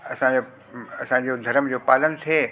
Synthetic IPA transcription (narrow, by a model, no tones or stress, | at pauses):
ɐsão | ɐsãd͡ʑoːd̪ʱɐɾəmd͡ʑoːpaːlənt̪ʰieː